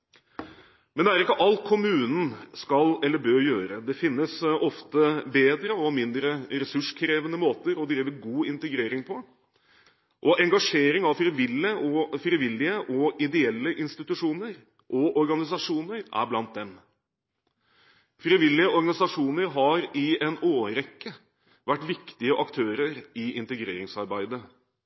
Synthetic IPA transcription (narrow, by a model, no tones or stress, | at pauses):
mɛnd̪ɛæɾɪkːəʔɑlt̪̚kʰʊmʉːnn̩skɑlɛlːəbøːɾjøːɾəd̪ɛfɪnːəsɔft̪əbeːd̪ɾəɔmɪnd̪ɾəɾɛsʉʂkʰɾeːʋənəmoːt̪əɾɔd̪ɾiːʋəɡuːɪnt̪əɡɾeːɾɪŋpʰɔ | ʔɔʔɛŋɡɑʂeːɾɪŋɑʋfɾiʋɪlːəʔɔfɾɪʋɪlːɪəʔɔʔɪd̪ɛɛlːəʔɪnst̪ɪt̪ʉʂuːnəɾ | ʔɔʔɔɾɡɑnɪs̬ɑʂuːnəɾʔæ̰ɾblɑnt̪̚d̪ɛm | fɾiʋɪlːɪəʔɔɾɡɑnɪsɑʂuːnəɾɦɑɾɪɛnoːɾɛkːə | ʋæʈːʋɪkt̪ɪəʔɑkt̪ʰøːɾəɾɪʔɪnt̪əɡɾḛːɾɪŋsɑɾbæɪd̪ə